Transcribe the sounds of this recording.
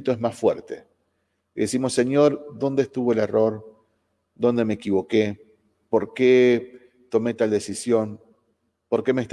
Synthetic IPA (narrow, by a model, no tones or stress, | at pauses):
t̪oezmasfwḛɾt̪ḛ | ðesimo̞se̞ɲjo̞ɾd̪o̞nd̪est̪uβo̞elero̞ɾ | d̪o̞nd̪e̞meːkiβo̞ke̞ | po̞ɾke | t̪o̞me̞t̪ald̪e̞sisjo̞n | po̞ɾke̞meːst̪